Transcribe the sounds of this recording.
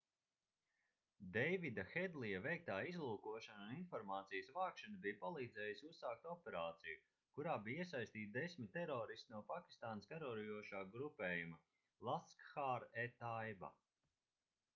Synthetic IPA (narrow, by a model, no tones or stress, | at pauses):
d̪ɛjvid̪axɛd̪lˠijɐvɛjk̚t̪aːizlˠuːkuɔʃanuninfɔɾmaːt̪sijəsvaːkʃanabijpalˠiːd̪zɛːjisʲussaːkt̪ɔpɛɾaːt̪siju | kuɾaːbijiɛsajst̪iːt̪̚d̪esmʲit̪ːeɾɔːɾist̪ʲinuɔpakʲi̥st̪aːnskaɾɔɾijuɔʃaːɡɾupɛːjumɐ | lˠaskxaɾet̪ajba̰